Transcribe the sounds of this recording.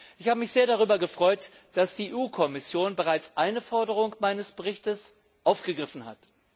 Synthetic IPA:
ʔɪçhaːbəmɪçz̥eːɐɾaʁ̞yːbɐɡəfʁ̥ɔʏt | d̥asd̥iːʔuːkʰɔmɪsjoːnbəʁaɪt͡sʔaɪnəfɔɐdəʁ̞ʊŋmaɪnəsb̥əʁɪçtəs | ʔaʊfɡ̥əɡʁɪfn̩ha̰t

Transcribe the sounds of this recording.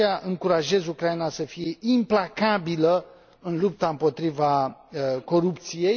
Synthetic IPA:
aʔɨŋkuɾaʒe̞zukɾajinasəfije̞ʔimplakabilə | ɨnlup̚t̪aɨmpo̞t̪ɾiva | ko̞ɾupt̪sije̞j

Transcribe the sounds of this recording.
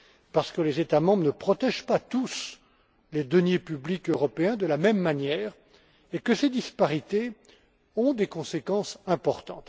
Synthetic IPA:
paʁsə̥kəlezet̪amɑ̃bʁnəpχɔt̪ɛʒpat̪us | led̪ɔnjepyblikøʁɔpeɛ̃d̪əlamɛmːanjɛːʁ | ekəsed̪ispaʁit̪e | ɔ̃d̪ekɔ̃sekɑ̃sɛ̃pɔʁt̪ɑ̰̃t̪

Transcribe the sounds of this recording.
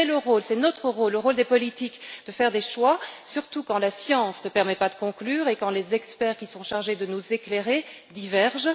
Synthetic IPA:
ɛləʁolsɛnot̪χəʁolːəʁold̪epɔlit̪ikd̪əfɛʁd̪eʃwasyʁt̪ukɑ̃lasjɑ̃snəpɛʁmɛpad̪əkɔ̃klyːʁekɑ̃lezɛkspɛːʁkʲisɔ̃ʃaʁʒed̪ənuzekleʁe | d̪ivɛʁʒ

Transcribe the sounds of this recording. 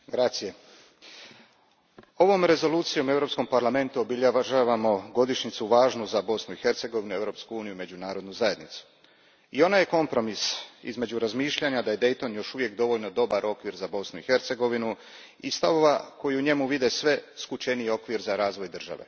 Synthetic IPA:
ɡɾat̪sije̞ | o̞ʋo̞mɾe̞zo̞luːt̪sijo̞me̞vɾo̞psko̞mpaɾlˠame̞nt̪uobiʎaʒaʋamo̞ɡo̞d̪iʃɲit̪suʋaːʒnuzabo̞snuixe̞ɾt̪se̞ɡo̞ʋinue̞vɾo̞ːpskuuːnijuime̞d͡ʑunaːɾod̪nuzaje̞d̪nit̪su̥ | io̞naje̞ko̞mpɾo̞misḭzme̞d͡ʑuɾazmiːʃʎaɲad̪aje̞d̪e̞jt̪o̞njo̞ʃuʋje̞kd̪o̞ʋoʎno̞d̪o̞baɾʔo̞kʋiɾzabo̞snuixe̞ɾt̪se̞ɡo̞ʋinu | ist̪aʋo̞ʋako̞jiuɲe̞muʋid̪e̞sʋe̞skut͡ʃe̞nijio̞kʋiɾzaɾaːzʋo̞jd̪r̩ʒa̰ʋe̞̰

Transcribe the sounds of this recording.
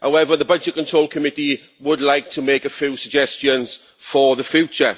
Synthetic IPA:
haʊɛvəðəbʌd͡ʒɪt̚kʰə̃ntʰɹ̥oʊlˠkʰəmɪti | wədˡlaɪk̚tʰəmeɪkəfjuːsəɡ̚d͡ʒɛst͡ʃə̃nz̥ | fəðəfjuˑt͡ʃə̰

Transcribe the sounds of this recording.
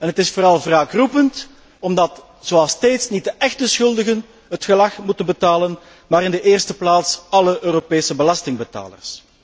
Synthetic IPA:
ɛnətɪsfoːɾɑlˠvraːkrupənt | ɔmdɑt | z̥oɑlˠsteːtsnit̚dəʔɛxt̚əsxɵlˠdəɣən | ɦətxəlɑxmutənbətaːlən | maːɾɪndəʔeːrstəplaːtsɑləʔøːɾopeːsəbəlɑstɪŋbəta̰ːlə̰rs

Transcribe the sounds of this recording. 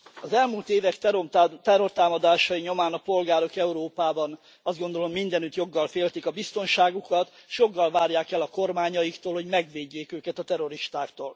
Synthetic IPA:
ɒzɛlmuːlt̪eːvɛkt̪t̪ɛro̞rt̪aːmɒd̪aːʃɒjiɲo̞maːnɒpo̞lɡaːɾo̞kɛuɾoːpaːbɒn | ɒzd̪ɡo̞nd̪o̞lo̞mːind̪ɛnyt̪jo̞ɡːɒlfeːlt̪ikɒbist̪o̞nʃaːɡukɒt̪ʃjo̞ɡːɒlvaːrjaːkɛlɒko̞rmaːɲɒjikt̪oːlho̞ɟmɛɡʋeːɟːeːkøːkɛt̪ɒt̪ɛɾo̞ɾiʃt̪aːkt̪oːl

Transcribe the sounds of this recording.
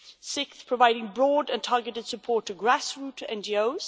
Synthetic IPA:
sɪkθpʰɹ̥əvaɪɾɪ̃ŋbɹɔːdə̃ntʰɑɹɡətɪd̥səpʰɔɹtʰəɡɹasɹʉˑtʰəɛ̃nd͡ʒioʊz̥

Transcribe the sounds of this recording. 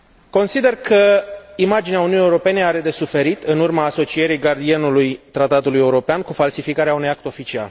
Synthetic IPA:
ko̞nsid̪e̞rkʰəimad͡ʒineaununijeuɾo̞pe̞ne̞aɾe̞d̪e̞sufe̞ɾit̪ɨnurmaːso̞t͡ʃije̞ɾijɡard̪ienulujt̪ɾat̪at̪uluje̞uɾo̞peankufalsifikaɾeaunujak̚t̪o̞fit͡ʃia̰l

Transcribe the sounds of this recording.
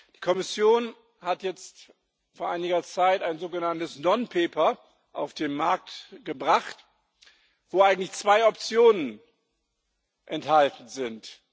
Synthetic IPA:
d̥iːkʰɔmɪsjoːn | hatjɛt͡st | foːɐʔaɪnɪɡɐt͡saɪtaɪnzoːɡənantəsnɔnpʰeːpɐ | ʔaʊfd̥eːnmaɐk̚tɡ̥əbʁaχt | v̥oːʔaɪɡŋ̩tlɪçt͡sv̥aɪɔp̚t͡sjoːnən | ʔɛnthaltn̩zɪnt

